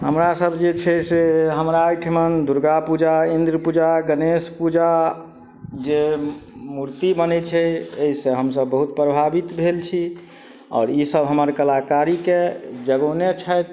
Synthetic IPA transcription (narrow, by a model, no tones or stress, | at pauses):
ɦəmɾasəbd͡ʒet͡ʃʰɛseɦəmɾaːjʈʰmənd̪uɾɡapud͡ʒaind̪ɾəpud͡ʒaɡənespud͡ʒa | d͡ʒe | muɾt̪ibənɛt͡ʃʰɛeɦisẽɦəmsəbːəɦut̪̚pɾəbʱabit̪bʱelt͡ʃʰi | ɔ̰ːɾisəbʱɦəməɾkəlakaɾiked͡ʒəɡonet͡ʃʰət̪